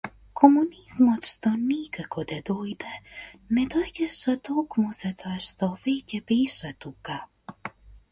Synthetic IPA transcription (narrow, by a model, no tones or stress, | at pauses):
kʰɔmuniz̥mɔt̪ʃt̪ɔnikakʰɔd̪ad̪ojd̪ɛnɛd̪ɔjd̪ɛʃat̪okmuz̥at̪ɔɛʃt̪ɔvecʲɛbeʃɛt̪uka